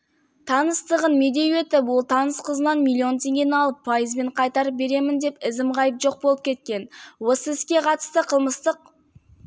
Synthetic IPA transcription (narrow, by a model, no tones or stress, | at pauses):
t̪ʰɑnəst̪əʁənme̞d̪e̞jwet̪ɪpwolˠt̪ʰɑnəsqʰəzənɑnmʲilʲːˠio̞nt̪ʰe̞ŋɡʲe̞nɑlˠəpʰːɑjəzbe̞ɴqʰɑjt̪ɑɾəp̚be̞ɾe̞mɪnd̪e̞pɪzɪmʁɑjəpʒo̞q̚bo̞lˠəp̚kʲʰe̞t̪̚kʲe̞nwo̞səɪskʲe̞qʰɑt̪ə̥st̪əqʰəlˠməst̪əq̚